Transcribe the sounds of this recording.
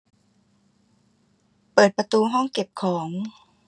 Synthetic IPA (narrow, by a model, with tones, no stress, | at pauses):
pɤː˨˩t̪̚pa˧t̪uː˧ɦɔ˥˩ŋke˨˩p̚kʰɔː˩˦ŋ